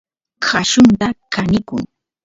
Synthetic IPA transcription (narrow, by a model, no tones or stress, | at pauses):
kʰaʃʊnt̪akanɪkʊŋ